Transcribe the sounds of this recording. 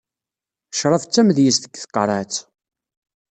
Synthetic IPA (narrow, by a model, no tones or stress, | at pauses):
ʃɾˤəft͡sːæmðjist̪əɡθə̥qːɾˤɑt͡s